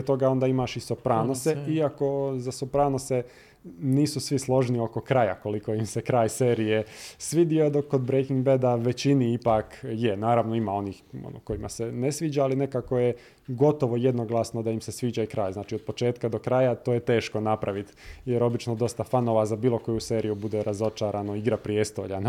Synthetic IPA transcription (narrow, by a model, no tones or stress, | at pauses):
ot̪o̞ɡao̞nd̪aːimaːʃisopɾaːnose̞iako̞zasopɾaːnose | niːsusʋislˠo̞ʒnio̞ko̞kɾaja̰ko̞likojimsekɾaːjseːɾije̞sʋid̪iod̪okːod̪bɾejkiŋɡbed̪aʋet͡ɕiniipaːkjenaːɾaʋno̞imao̞niːxo̰noko̞jima̰sene̞sʋiːd͡ʑaːline̞kakoje | ɡo̞t̪o̞ʋojed̪no̞ɡlˠasno̞d̪aimsesʋiːd͡ʑaikɾaːjznaːt͡ʃio̞d̪̚po̞t͡ʃeːt̪kad̪o̞kɾajat̪o̞ːjet̪e̞ːʃko̞napɾaʋit̪jeɾo̞bit͡ʃnod̪o̞st̪afano̞ːʋazabiːlˠo̞ko̞juse̞ːɾijubud̪e̞ɾazo̞t͡ʃaːɾano̞iɡɾapɾijest̪o̞̰ʎan